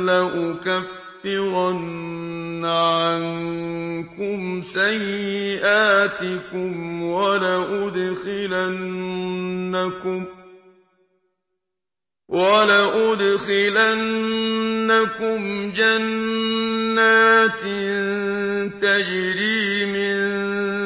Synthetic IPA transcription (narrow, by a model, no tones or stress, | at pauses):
laʔʊkafːɪɾɑnː | ʕan | kʊmsajːɪʔaːt̪ɪkʊmwalaʔʊd̪xɪlanː | akʊm | wʔalaʔʊd̪xɪlanː | akʊmd͡ʒanː | aːt̪ | t̪ad͡ʒɾiːmɪn